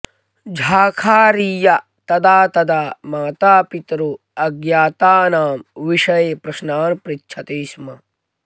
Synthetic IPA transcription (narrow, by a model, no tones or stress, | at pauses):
d͡ʒʱaːkʰaːɾiːjɐ | t̪ɐd̪aːt̪ɐd̪aːmaːt̪aːpit̪ɾu | ɐɡjaːt̪aːnaːmʋiʃɐjeːpɾɐʃnaːnpɾitːʃʰɐt̪eːsmɐ